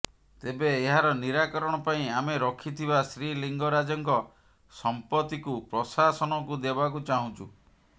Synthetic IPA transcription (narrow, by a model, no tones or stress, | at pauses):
t̪ebeːɦaɾɔniɾakɔɾɔɽ̃ɔpaĩameɾɔkʰit̪ʰibasɾiliŋɡɔɾad͡ʒɔŋkɔ | sɔmpɔt̪ikupɾɔsasɔnɔkud̪ebak̬ut͡ʃaɦũt͡ʃʰṵ